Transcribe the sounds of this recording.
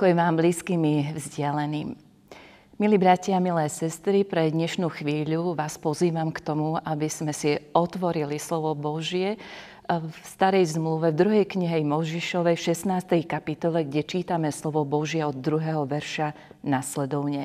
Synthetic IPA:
kɔjɛʋaːmbliːskimivzɟɪalɛniːm | miliːbɾacɪamilɛsɛst̪ɾipɾɛd̪ɲɛʃnuːxʋiːʎuʋaːspɔziːʋamkt̪ɔmuʔabizmɛsiɔt̪ʋɔɾilislɔʋɔbɔʒɪjɛ | fst̪aɾɛjzmluʋɛvd̪ɾuɦɛjkɲiɦɛjmɔʒiʃɔʋɛjfʃɛsnaːst̪ɛjkapit̪ɔlɛɡɟɛt͡ʃiːt̪amɛslɔʋɔbɔʒjɛɔd̪ːɾuɦɛɦɔʋɛɾʃa | naslɛd̪ɔʊɲɛ

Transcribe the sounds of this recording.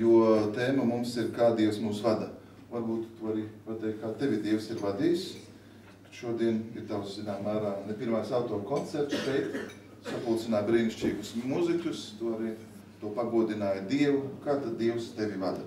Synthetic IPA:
juɔt̪eːmɐmumsiɾkaːd̪iɛwsmuːsvad̪a | vaɾbuːt̪t̪uaɾiːpat̪ɛjkkaːt̪evʲid̪iɛwsiɾvad̪iːjs | ke̥ʃuɔd̪iɛniɾt̪awszinaːmæːɾaːnɛpʲiɾmajsawt̪ɔːɾkɔnt̪sɛɾt̪ʃɛjt̪ | sapulˠt̪sinaːbɾiːniʃt͡ʃiːɡʊsmuzikʲust̪uːaɾi | t̪uɔpaɡuɔd̪inaːjd̪iɛvakaːt̪ad̪d̪iɛwst̪eʋʲivad̪a

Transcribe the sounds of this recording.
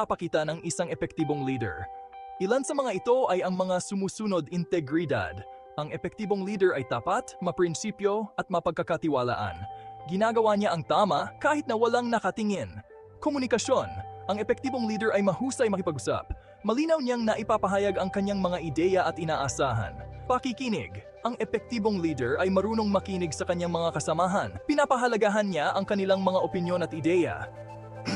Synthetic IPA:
ɐpɐkiːt̪ɐnɐŋʔɪsaŋɛpɛk̚t̪iːbo̞ŋliːd̪ɛ̰ɹʔɪlansɐmɐŋaʔɪt̪o̞ʔɐjɐŋmɐŋasʊmuːsunod̪ɪnt̪ɛɡɹɪd̪a̰d̪ | ʔɐŋʔɛpɛk̚t̪iːboŋliːd̪ɛɹʔɐjd̪aːpat̪mɐpɾɪnsiːpjo̞ʔɐt̪̚mɐpɐɡ̚kɐɡkɐt̪ɪwala̰ːʔɐ̰nɡɪnaːɡɐwaɲaʔɐŋt̪aːmɐkaːhɪt̪̚nɐwɐlaŋnɐkɐt̪ɪŋɛn | komunɪkɐʃo̞nʔɐŋɛpɛk̚t̪iːbo̞ŋliːd̪ɛɹʔɐjmɐhuːsɐjmɐkɪpɐɡ̚ʊsa̰p̚ | mɐliːnɐwɲaŋnɐʔɪpapɐɦaːjɐɡɐŋkɐɲːaŋmɐŋaʔɪd̪ɛːjɐʔɐt̪̚ʔɪnaːʔɐsaːɦɐ̰npɐkikinɪ̰ɡ | ʔɐŋʔɛpɛk̚t̪iːbo̞ŋliːd̪ɛɹʔɐjmɐɾuːno̞ŋmɐkiːnɪɡsɐkɐɲːaŋmɐŋakɐsɐmaːɦɐnpɪnapɐɦɐlɐɡaɦɐnɲaʔɐŋkɐnɪlaŋmɐŋaʔo̞pɪnjo̞nɐt̪̚ɪd̪ɛjɐ̰

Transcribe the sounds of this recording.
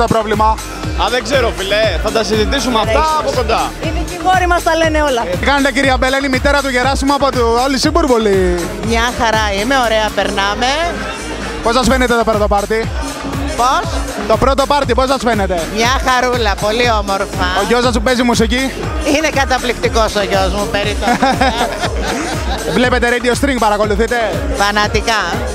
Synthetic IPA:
t̪opɾo̞vlimɐ | ɐðeɡzeɾo̞fileθɐt̪ɐsizit̪isumeɐft̪ɐːpokond̪ɐinecixo̞ɾimɐst̪ɐleneolɐkɐnod̪eciɾiɐbelɐnimit̪eɾɐt̪uʝeɾɐsimɐpot̪uolisibuɾpoli | mɲɐxɐɾɐime̞o̞ɾeɐpeɾnɐme̞ | posɐsfenet̪et̪o̞pɾot̪opɐɾt̪i | pos | t̪o̞pɾo̞t̪o̞pɐɾt̪ipo̞s̬ɐsfenet̪e̞mɲɐxɐɾulɐpo̞lio̞moɾfɐoʝosɐsmupezimusici | inekɐt̪ɐplikt̪ikosoʝozmupeɾit̪o | vle̞pet̪eɾed̪iost̪ɾiŋɡ̚pɐɾɐko̞luθit̪e̞fɐnɐt̪ikɐ

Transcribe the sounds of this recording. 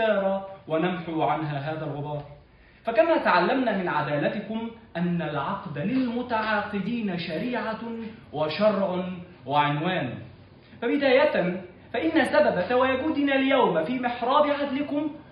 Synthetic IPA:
ɑːɾˤɑwanamħuːʕanɦaːɦaːðalɣʊbɑːɾˤ | fakamaːt̪aʕalːamnaːmɪnʕad̪aːlat̪ɪkʊmʔanːalʕɑqd̪alɪlmʊt̪aʕɑːqɨd̪iːnaʃaɾiːʕawaʃɑrˤʕʊ | waʕɪnwaːn | fabɪd̪aːjat̪n | faʔɪnːasababawajaɡuːd̪ɪnaːljawmafiːmɪħɾˤɑːbɪʕad̪lɪkʊm

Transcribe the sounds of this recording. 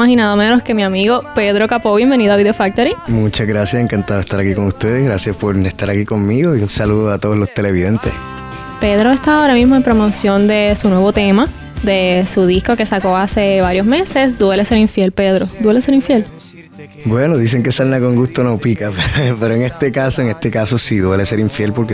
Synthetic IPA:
mahinaðomenoske̞miamiɣo̞pe̞ðɾo̞kapoβje̞mbe̞niðoaβiðeofak̚t̪oɾimut͡ʃaɣɾasjaseŋkant̪aðoest̪aɾakiko̞ŋust̪eðehɣɡɾasjaspo̞ɾest̪aɾakiko̞ŋmiɣo̞iunsaluðoat̪oðolo̞st̪e̞le̞βiðent̪ḛs | pe̞ðɾoest̪aaoɾamizmoempɾo̞mosjo̞nd̪e̞sunwe̞βo̞t̪e̞ma | d̪e̞suðisko̞ke̞sako̞ase̞βaɾjo̞zme̞se̞sd̪we̞lese̞ɾiɱfjelpe̞ðɾod̪we̞le̞se̞ɾiɱfjel | bwe̞noðis̬e̞ŋke̞salnakoŋɡust̪onopikapepe̞ɾoeŋest̪ekasoeŋe̞st̪e̞kaso̞siðwe̞le̞se̞ɾiɱfje̞lpoɾke

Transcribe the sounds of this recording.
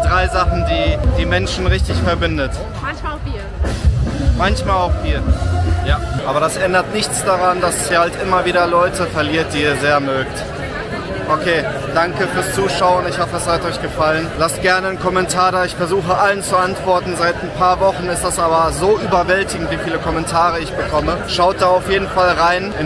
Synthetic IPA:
d̥ʁaɪzaχn̩diːd̥iːmɛnʃn̩ʁɪçtɪçfɛɐbɪndət | mançaviː | mançmaːlaʊxv̥iːɐjaːʔaːbɐɾasʔɛndɐtnɪçt͡sd̥aʁandasiːhaltʔɪmɐviːɾɐlɔʏtʰəfɛɐliːɐt̚d̥iːiːɐzeːɐmøːkt | ʔokʰeː | d̥aŋkəfyːɐst͡suːʃaʊʊntɪçhɔfədashatɔʏçɡ̥əfalənlastɡ̥ɛɐnənkʰɔmɛntʰaːdaːɪçfɛɐzuːxəʔalənt͡suʔantv̥ɔɐtn̩zaɪtnpʰaːɐvɔχn̩ɪstd̥asʔaːbɐzoːʔyːbɐvɛltɪɡŋ̩tv̥iːfiːləkʰɔmɛntʰaːʁ̞əɪçb̥əkʰɔməʃaʊt̚d̥aːaʊfjeːdn̩falʁaɪnʔɪn

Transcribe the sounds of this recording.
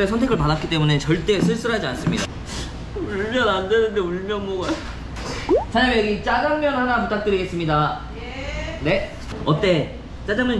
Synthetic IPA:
esʰʌntʰe̞ɡɯɭpadatk͈it͈e̞mune̞t͡ɕʌɭt͈e̞sʰɯɭs͈ɯɾɦad͡ʑians͈ɯmɲida | uɭmjʌnande̞nɯnde̞uɭmjʌnmoɡa | t͡ɕʰaɲʌmjʌɡit͡ɕ͈aɡaŋmjʌnɦanaput͈ʰak̚t͈ɯɾiɡe̞ts͈ɯmɲida | ne̞ | ʌt͈e̞ | t͡ɕ͈ad͡ʑamʌ

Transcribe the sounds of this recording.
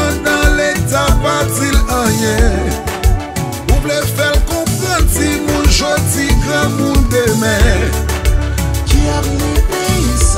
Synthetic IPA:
d̪ãletapad͡zilãjɛ̃ | uplefɛlkɔ̃pɣãtimũnʒod͡ziɡɣãmũnd̪emɛ̃ | kiam

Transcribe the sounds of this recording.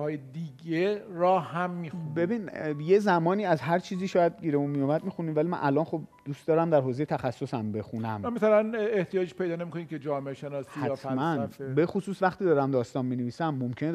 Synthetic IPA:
hɒːjed̪iːɡeɾɒːhæmːixunbe̞biːnjezæmɒːniːæzɦæɾt͡ʃʰiːziːʃɒːjæd̪̚ɟiːɾemunmijomæd̪̚mixuniːvælimæ̰nʔælɒːnxo̞b̚d̪ust̪d̪ɒːɾæmd̪æɾɦoːze̞jet̪ʰæxæsːosæmbe̞xunæmmasælæneht̪ijɒːd͡ʒeʃpe̞jd̪ːnemikʰoniːmcʰed͡ʒɒːmeʔeʃenɒːsiæjːt̪fælmænfebe̞xosuːsvæχt̪iːd̪ɒːɾæmd̪ɒːst̪ɒːnmineviːsæmːomcʰene

